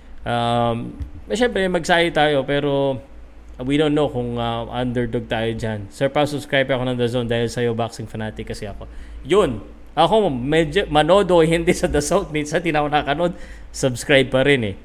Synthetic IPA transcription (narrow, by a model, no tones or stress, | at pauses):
ʔamːɐʃɛmpɾɛmɐɡ̚saːjɪt̪aːjo̞pɛːɾo̞ | wid̪ownnːowkʊŋɐʔɐ̰nd̪ɛɹd̪oɡ̚t̪aːjo̞d͡ʒansɛɹpɐsʊbskɹajbɐko̞nɐŋd̪ɐzond̪aːhɪlsɐjo̞baksɪŋfɐnaːt̪ɪkːɐsɛʔɐko̞jon | ʔɐko̞mɛd͡ʒomɐno̞ːd̪oɐhɪnd̪isɐd̪ɐsawt̪̚mit̪sɐt̪ɪnaʔonakɐnod̪ | sɐbskɹajb̚pɐɾɛnɛ